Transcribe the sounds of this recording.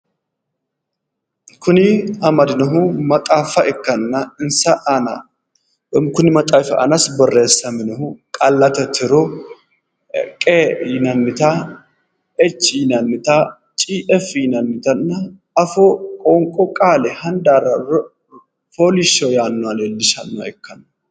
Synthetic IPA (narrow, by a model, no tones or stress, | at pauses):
kʊnɪɐmɐd̪ɪnɐɦʊmɐt̪ʼaːfɐʔɛkːɐnːɐɪnsɐʔɐnɐ | ɔmkʊnɪmɐt̪ʼaːfɐ̰ʔɐ̰nɐsbɔreːsːɐmɪnɐhʊkʼɐlːɐt̪ɐt̪ʰɪɾɔ | kʼejɪnɐnːɪt̪a | ɛt͡ʃːɪjɪnɐnːɪt̪a | t͡ʃʼiːʔɛfjɪnɐnːɪt̪ɐnːɐ | ɐfɔkʼɔŋkʼɔkʼaːlɛhɐnd̪aːrɐ | foːlɪʃɔjaːnːɔaleːlːɪʃɐnːa̰ɛkːɐnɐ